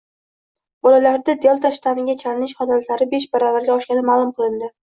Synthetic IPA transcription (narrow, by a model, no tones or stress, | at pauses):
bɒlalaɾd̪ad̪ejɒlˠt̪ʰaʃt̪ʰamɪŋɡʲat͡ʃʰalɪnɪʃχɒd̪alt̪laɾɪbe̞ʃ̬baɾavaɾɡʲaɒʃkʲanɪmaːlˠʊmqʰɨlˠɪnd̪ɪ